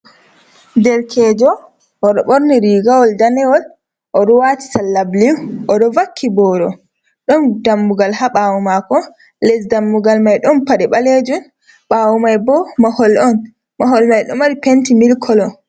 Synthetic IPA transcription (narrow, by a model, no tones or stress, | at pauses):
dɛɾkʰɛːd͡ʒɔ | ʔɔɗɔɓɔɾniɾiːɡawɔldanɛwɔl | ʔɔɗɔwati̥salːabliʔɔɗɔvakʰːibɔːɾɔ | ɗɔndamːuɡalhaɓawumakɔ | lɛsdamːuɡalmajɗɔnpaɗɛɓaled͡ʒun | ɓawumajbɔmahɔlɔn | maɦɔlmajɗɔmaɾipentimilkʰɔlɔ